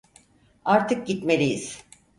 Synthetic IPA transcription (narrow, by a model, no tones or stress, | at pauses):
aɾt̪ʰɯk̚ɟit̪me̞lʲijiz̥